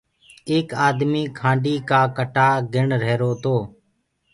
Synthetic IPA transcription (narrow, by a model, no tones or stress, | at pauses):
eːkaːd̪miːkʰãːɳɖiːkaːkəʈaːɡɪɳɾeːɾoːt̪oː